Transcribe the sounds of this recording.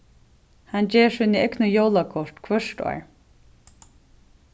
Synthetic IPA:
hant͡ɕeːʂɪnɪɛknʊjowlakʰɔʂt̪kʰvœʂtɔ̰ɹ

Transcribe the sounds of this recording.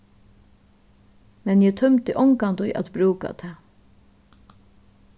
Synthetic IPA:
mɛnjɛt̪ʰœmt̪ɪʔɔŋkand̪ʊjʔa̰t̪bɾuːka̰t̪ʰɛː

